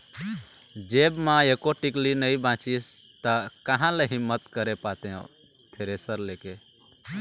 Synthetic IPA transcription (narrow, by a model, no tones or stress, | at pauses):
d͡ʒebmãekoʈiklinəibãt͡ʃist̪əkəɦãleɦimːət̪kəɾepat̪eõ̰ | t̪ʰeɾesəɾleke